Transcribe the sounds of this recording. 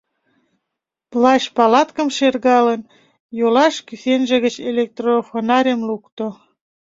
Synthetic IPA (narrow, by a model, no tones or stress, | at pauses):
plɑɕpɑlɑt̪kə̆mʃerɣɑlən | jolɑʃkysenʒĕɣət͡ɕelek̚t̪rofonɑɾʲemlukt̪o